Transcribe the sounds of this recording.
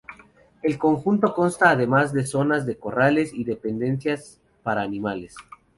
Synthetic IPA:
e̞lko̞ŋxunt̪o̞ko̞nst̪aːðe̞mazðe̞so̞nazðe̞ko̞ralesiðe̞pe̞nd̪e̞nsjas | paɾaːnĩmales

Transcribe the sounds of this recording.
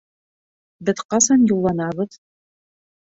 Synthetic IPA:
bɘ̆ðqɑsɑnjulˠːɑnɑβɤð

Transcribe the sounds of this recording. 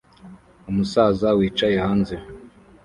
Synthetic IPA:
umusaːzawiːt͡ʃajehaːnze

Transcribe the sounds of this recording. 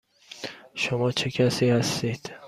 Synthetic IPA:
ʃomɒːt͡ʃʰekʲʰasihast̪ijd̪̥

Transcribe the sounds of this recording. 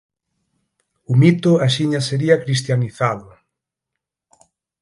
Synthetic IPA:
umit̪ʊaʃiɲaseɾiakɾist̪janiθaðʊ

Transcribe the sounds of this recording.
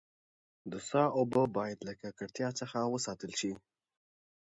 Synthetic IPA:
d̪əsɑːobəbɑːjat̪ləkakəɾt̪ʰjat͡səxawəsɑːt̪əlʃi

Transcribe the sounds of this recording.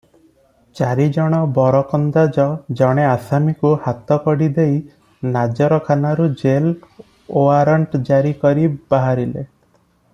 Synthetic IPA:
t͡ʃaɾid͡ʒɔɽ̃ɔbɔɾɔkɔnd̪ad͡ʒɔd͡ʒɔɽ̃easamikuhat̪ɔkɔɽid̪ej | nad͡ʒɔɾɔkʰanaɾud͡ʒel | oaɾɔɳʈd͡ʒaɾikɔɾib̥aɦaɾile

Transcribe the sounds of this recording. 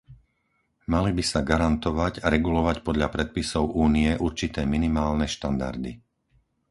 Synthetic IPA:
malibisaɡaɾant̪ɔʋaɟaɾɛɡulɔʋacpɔd̪ʎapɾɛt̪̚pisɔʊʔuːniɛʔuɾt͡ʃit̪ɛːminimaːlnɛʃt̪and̪a̰ɾd̪i

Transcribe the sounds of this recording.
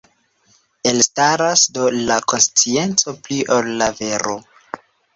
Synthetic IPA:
e̞lstaɾasdo̞lako̞nst͡sie̞nt͡so̞pliʔolːave̞ɾo

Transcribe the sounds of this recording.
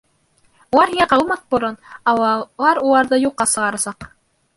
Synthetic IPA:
ulˠɑɾhiŋæqɑwɤmɑθpuɾɤnɑlˠɑɾulˠɑɾðɤjuqːɑsɤ̆ʁɑɾɑsɑq

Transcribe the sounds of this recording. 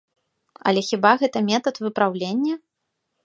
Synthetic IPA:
ɐ̰lʲɛxʲibaɣɛt̪ɐmʲɛt̪ɐt̪vɨpɾawlʲenʲːɐ

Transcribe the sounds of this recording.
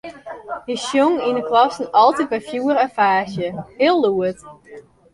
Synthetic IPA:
jəsjoŋinəklɔsən̩ɔlˠtit̚bɛfjuəɾəfaːsjəhɪəlˠːuət

